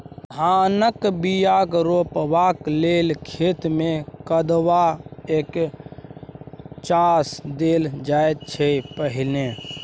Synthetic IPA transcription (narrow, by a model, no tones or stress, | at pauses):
d̪ʱanəkbijaːkɾoːpʋakleːlkʰeːt̪mẽkəd̪waeːk | t͡ʃaːsd̪eːld͡ʒaet̪̚t͡ʃʰepəɦɪle